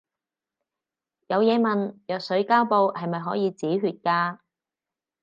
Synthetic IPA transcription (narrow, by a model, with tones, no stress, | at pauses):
jɐ˨˧wjɛː˨˧mɐ˨njœː˨k̚sɵ˨˥ɥkaː˥wpo˨˧whɐ˨jmɐ˨jɦɔː˨˥jiː˨˧t͡siː˨˥ɦyː˨t̚kaː˧